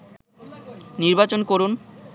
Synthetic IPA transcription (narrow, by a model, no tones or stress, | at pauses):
niɾbat͡ɕonkoɾun